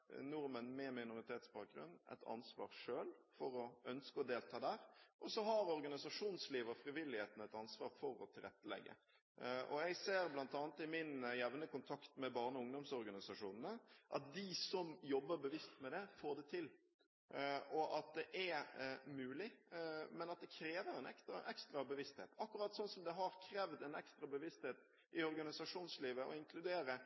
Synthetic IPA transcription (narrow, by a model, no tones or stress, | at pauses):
nʊɾmənmɛmɪnʊɾɪt̪ʰeːt̪sbɑːk̚ɡɾʉ̰nːɛ̰t̪ʰɑ̰nsʋɑ̰ːɾʂøːlfɔɾɔœnskəɔd̪eːlt̪ʰɑːd̪æːɾʔɔsɔɦɑɾɔɾɡɑnɪsɑʂuːnsliːʋɔfɾɪʋɪlːɪheːt̪n̩ɛt̪ɑnsʋɑːɾfɔɾɔ̰t̪ʰɪlɾɛt̪ːəlɛ̰ɡːə̰ | ʔɔ̰jæɪseːɾblɑnt̪ɑːnət̪ɪmɪnjɛʋnəkʊnt̪ʰɑkt̪mɛbɑːʁnəɔʊŋd̪ɔmsɔɾɡɑnɪsɑʂuːnən̩əʔɑ̰t̪̚d̪ɪsɔmjɔbːəɾbəʋɪst̪mɛd̪ɛfoːd̪ɛt̪ʰɪl | ɔʔɑt̪̚d̪ɛʔæmʉːlɪmɛnɑt̪̚d̪ɛkʰɾeːʋəɾɛnɛkst̪ɾɑʔɛkst̪ɾɑbəʋɪst̪hḛːt̪ɑkːʊɾɑt̪ːsɔnsɔmd̪ɛɦɑɾkʰɾeːʋd̪ɛnɛkst̪ɾɑbəʋɪst̪heːt̪ | ʔɪɔɾɡɑnɪsɑʂuːnsliːʋəʔɔ̰ɪŋkʰlʉd̪eːɾə